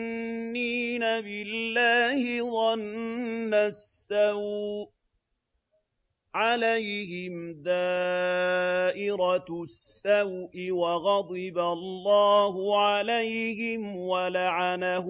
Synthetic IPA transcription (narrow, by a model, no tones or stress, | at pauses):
iːnabɪlːaːhɪðˤɑnː | asːaw | ʕalajhɪmðaː | ʔɪɾɑsːawʔɪwaɣɑd̪ˤɨbalˤːɑːhʊʕalajhɪmwalaʕana